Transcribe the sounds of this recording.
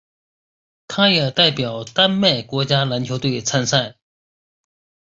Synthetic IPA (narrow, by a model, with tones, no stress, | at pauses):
t̪ʰa˥ja˩˨t̪a˥˨pjɑ˩˨t̪a˥nmɛ˥˨kɔ˩˨t͡ɕaː˥la˩˨t͡ɕʰo˥˨t̪we˥˨t͡sʰa˥nsa˥˨